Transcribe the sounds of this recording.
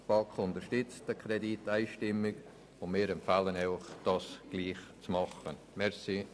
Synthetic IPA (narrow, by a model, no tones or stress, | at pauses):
b̥ɑkχʊntəʃtʏt͡std̥əkʰrɛditːaɪʃtɪmːɪɡ | ʊnmɪːɾɛmpfaːlənɛʊχd̥ɑːsɡ̥liːχt͡smɑχə | mɛɾsi